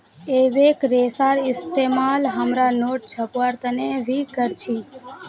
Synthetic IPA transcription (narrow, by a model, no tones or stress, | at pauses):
eʋekɾesaɾɪst̪emalɦəmɾanoʈ̚t͡ʃʰəpʋaɾt̪əneʋikəɾt͡ʃʰi